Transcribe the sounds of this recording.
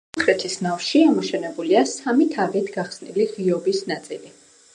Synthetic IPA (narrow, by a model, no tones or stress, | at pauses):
χɾɛt̪ʰisnafʃiamɔʃɛnɛbuliasamit̪ʰaɡɛt̪ʰɡaχsniliʁiɔbisnat̪sʼḭli